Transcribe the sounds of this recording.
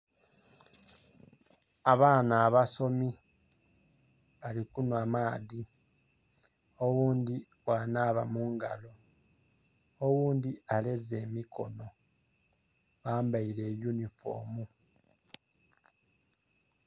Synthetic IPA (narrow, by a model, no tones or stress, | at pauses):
aβaːnaːβaso̞mi | βalikunwamaːði | owuːnd̪i | waːnaːβamuːŋɡa̰lo̞ | owuːnd̪iale̞ze̞ːmikʰo̞̰no̞ | βaːmbaiɾe̞ːjunifo̞̰ːmu